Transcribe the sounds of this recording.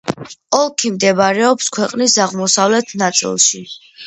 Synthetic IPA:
ɔlˠkʰimd̪ɛbaɾɛɔpskʰwɛqʼnisaʁmɔsavlɛt̪ʰnat̪sʼḭlˠʃi

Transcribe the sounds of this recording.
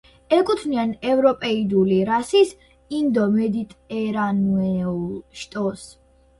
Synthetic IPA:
ɛkʼut̪ʰnianɛvɾɔpʼɛid̪uliɾasis | ind̪ɔmɛd̪it̪ʼɛɾanɛuʃt̪ʼɔs

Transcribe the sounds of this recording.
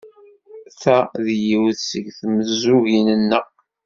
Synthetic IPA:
θæðjiwθsəɡθməzːuɣinənːəʁ

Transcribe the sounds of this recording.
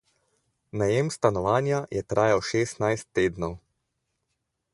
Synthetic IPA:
najemst̪anɔʋaːnjajɛt̪ɾaːjawʃeːst̪najst̪ːeːd̪nɔw

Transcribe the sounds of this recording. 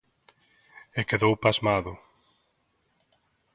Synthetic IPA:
ekeðowpazmaðʊ

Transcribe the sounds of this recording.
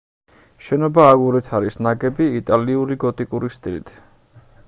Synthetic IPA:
ʃɛnɔbaːɡuɾɛt̪ʰaɾisnaɡɛbiːt̪ʼaliuɾiɡɔt̪ʼikʼuɾist̪ʼilḭt̪ʰ

